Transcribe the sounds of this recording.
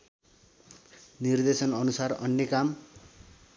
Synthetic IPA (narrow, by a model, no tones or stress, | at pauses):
nird̪esʌnʌnusarʌ̰njʌkam